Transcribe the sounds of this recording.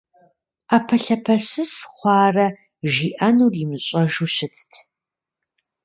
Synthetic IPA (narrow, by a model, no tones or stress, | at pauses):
aːpʰɐɬɐpʰɐɕɨsχʷɑːrɐ | ʒiːʔɐnuːrimɨɕʼɐʒuɕɪtʰtʰ